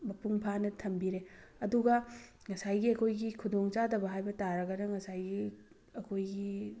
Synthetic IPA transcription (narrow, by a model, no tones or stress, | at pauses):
mɐpuŋpʰanɐtʰɐmbiɾeɐduɡɐ | ŋɐsajɡiɐkʰojɡikʰudoŋt͡ʃadɐbɐɦajbɐtaɾɐɡɐnɐŋɐsajɡi | ɐkʰojɡi